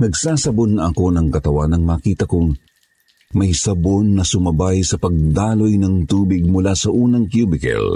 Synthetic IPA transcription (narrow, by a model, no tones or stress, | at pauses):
nɐɡsaːsɐbonɐʔɐko̞nɐŋkɐt̪ɐwanɐŋmaːkiːt̪ɐkʊŋ | mɐjsɐbonːɐsʊmɐbajsɐpɐɡ̚d̪aːlo̞jnɐŋt̪uːbɪɡ̚mʊlaːsɐʔuːnɐŋkjubɪkɛ̰l